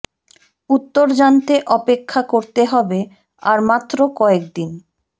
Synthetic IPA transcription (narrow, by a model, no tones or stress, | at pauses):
ut̪ːoɾd͡ʑant̪eʔɔpekʰːakoɾt̪eɦɔbe | aɾmat̪ːɾokɔekd̪in